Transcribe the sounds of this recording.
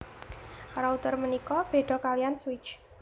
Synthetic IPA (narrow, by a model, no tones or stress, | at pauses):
raut̪ərmənikɔb̥e̤ɖ̥ɔ̤kalijanswɪt͡ʃ